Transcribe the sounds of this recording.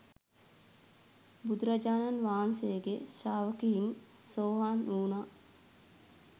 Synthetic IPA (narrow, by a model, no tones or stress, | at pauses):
bud̪uɾad͡ʒaːnanʋaːnsejəɡḛʃaːʋəkiinsoːɦaːnʔuːna